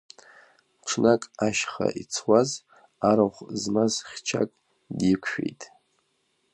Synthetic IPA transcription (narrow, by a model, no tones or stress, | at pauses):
ʈ͡ʂʷʰnakʼaʃχa̰ʔit͡sʰwaz | aɾaχʷzmazχʲt͡ʃʰakʼ | djikʷʰʃᶣḛjtʼ